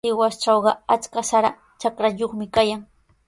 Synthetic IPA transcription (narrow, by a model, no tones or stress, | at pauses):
ɪwast͡ʃɑwɢɑat͡skasaɾa | t͡ʃakɾaʎoχmɪkajaŋ